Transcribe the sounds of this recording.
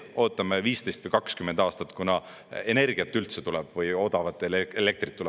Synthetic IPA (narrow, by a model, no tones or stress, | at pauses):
o̞ːt̪ːˑɑmeviːst̪e̞jst̪vɯjkɑkskymːend̪ɑːst̪ɑt̪ːˑkunɑ | e̞ne̞rɡ̥iɑt̪ːˑylt̪set̪ulɛb̥vɯjo̞d̪ɑvɑt̪ːˑelele̞k̚t̪rit̪ːul